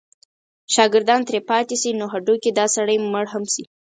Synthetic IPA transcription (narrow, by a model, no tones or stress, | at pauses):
ʃɑɡɪɾd̪ɑnt̪ɾepɑt̪esinoɦaɖoked̪ɑsaɽəjməɽɦamsi